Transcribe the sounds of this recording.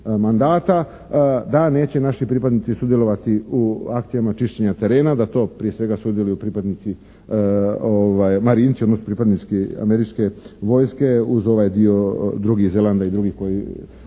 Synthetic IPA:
mand̪aːt̪a | d̪ane̞ːt͡ɕe̞naʃipɾipad̪nit̪sisud̪je̞lˠo̞ʋat̪iuakt̪sijamat͡ʃiʃt͡ɕe̞ɲat̪e̞ɾe̞ːnad̪at̪o̞ːpɾije̞sʋe̞ɡasud̪je̞lujupɾipad̪nit̪si | oʋajmaɾiːniod̪nosopɾipad̪nit͡ʃkia̰meɾit͡ʃke̞ʋo̞jske̞uzo̞ʋajd̪io̞d̪ɾuɡihze̞lˠand̪aid̪ɾuɡihko̞ji

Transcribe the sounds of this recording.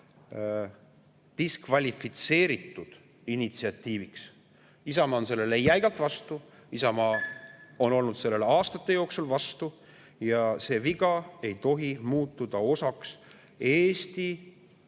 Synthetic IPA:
t̪iskvɑlʲifit̪se̞ːɾit̪ːˑud̪̥ | init̪siɑt̪ːiːviks | isɑmɑonse̞lːe̞lejæjɡ̥ɑlt̪vɑst̪u | isɑmɑːo̞no̞lnud̪se̞lːe̞leɑːst̪ɑt̪ːˑe̞jo̞ːksulvɑst̪u | jɑse̞ːviɡ̥ɑe̞jt̪o̞ɦimuːt̪ːˑud̪̥ɑo̞sɑks | e̞ːst̪i

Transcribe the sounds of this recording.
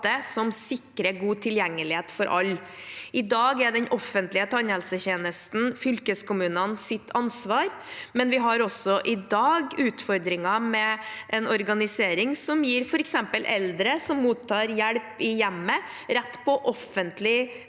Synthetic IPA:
əsɔmsɪkɾəɡuːt̪ʰɪljɛŋːəlɪheːt̪fɔɾʔɑ̰lː | ɪd̪ɑːɡɛɖɛnʔɔfːənt̪lɪət̪ʰɑnhɛlsəçeːnəst̪n̩fʏlkəskʊmʉːnənsɪt̪ʰːɑnsʋɑːɾ | mɛnʋɪɦɑɾɔsːɔʔɪd̪ɑːɡʉːt̪fɔɾd̪ɾɪŋɑmɛʔɛnɔɾɡɑnɪseːɾɪŋsɔmjiːɾfɔɾɛksɛmpəlʔɛld̪əɾəsɔmːuːt̪ʰːɑːɾjæɽpɪjɛmːə | ɾɛt̪ːpʰɔʔɔfənt̪lɪ

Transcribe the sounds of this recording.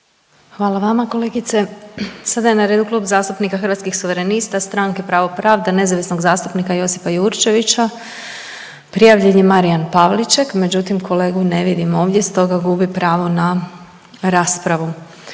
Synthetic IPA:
xʋaːlˠaʋamako̞le̞ɡit̪se̞sad̪ajenaɾe̞d̪uklˠuːbzaːst̪upnikaxər̩ʋat̪kixsuʋeɾe̞nist̪ast̪ɾaŋke̞pɾaːʋopɾaːʋd̪ane̞zaʋisno̞ɡzaːst̪upnikajo̞sipajuɾt͡ʃe̞ʋit͡ʃa | pɾijaʋʎenjemaɾijanpaʋlit͡ʃekme̞d͡ʑut̪imkʰo̞le̞ːɡune̞ʋid̪imo̞ːʋd̪je̞st̪o̞ɡaɡubipɾaːʋona | ɾaːspɾaʋu

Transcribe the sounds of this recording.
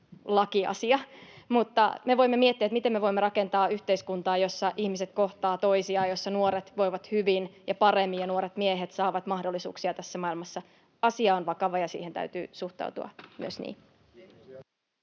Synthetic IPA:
lɑkiɑ̰siɑmut̪ːɑ̰meʋo̞imːemiet̪ːiæet̪mit̪emeʋo̞imːeɾɑke̞nt̪ɑːyht̪eiskunt̪ɑːjo̞sːɑʔihmiset̪ko̞ht̪ɑːt̪o̞isiɑːjo̞sːɑnuoɾet̪ʋo̞iʋɑt̪hyʋinjɑpɑremːiɑnuoɾet̪mieɦet̪sɑːʋɑt̪mɑhdolːˑisṵːksiɑt̪æsːæmɑilmɑsːɑ | ɑsiɑonʋɑkɑʋɑjɑsḭːhent̪æ̰yt̪y̰ːsuht̪ɑ̰uwt̪ṵɑ̰my̰øsnḭː

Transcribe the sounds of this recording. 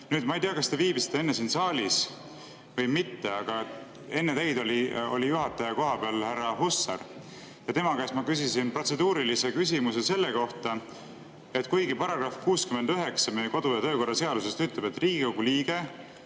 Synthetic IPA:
nyːd̪̚mɑejt̪eɑkɑst̪eviːbisi̥t̪ːˑee̞nːesiːnsɑːlʲis | vɤjmit̪ːe̞ɑɡ̥ɑe | e̞nːe̞t̪ejd̪o̞lʲio̞̰lʲijuɦɑt̪ːˑɑjɑko̞ɦɑbeɑlhæɾɑɦusːɑ̰ɾ | jɑt̪e̞mɑkæːsmɑkysisinpro̞t̪se̞d̪uːɾilise̞kysimuse̞se̞lːe̞ko̞ht̪ɑ | e̞t̪ˑkujɡipɑɾɑɡ̥ɾɑfkuːskymend̪yɦe̞ksɑmejeko̞d̪̥ujɑt̪ø̞ːko̞rːɑse̞ɑd̪use̞st̪yt̪ːˑlebe̞t̪ːˑriːɡiko̞ɡuliːɡ̥e̞

